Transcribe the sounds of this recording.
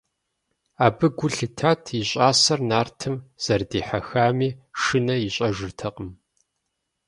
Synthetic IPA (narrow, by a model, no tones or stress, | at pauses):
aːbɨɡʷʊɬɨtʰaːtʰiɕʼaːsɐrnaːrtʰɨmz̥ɐrdiːħaxaːmiːʂɨnɐjiɕʼɐʒɨrtʰɐqʼəm